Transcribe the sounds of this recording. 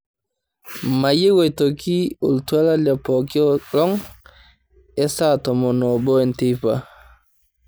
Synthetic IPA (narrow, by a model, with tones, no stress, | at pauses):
ma˨je˦wɔ˨jto˨ki˦o̰˨ltu˦a˦la˦la˨pɔ˨ki˦ɔ˦lɔ˦ŋ | ɛ˦sa˦tɔ˨mɔ˨nɔ˨bɔ˦ɛ˨nti˦pa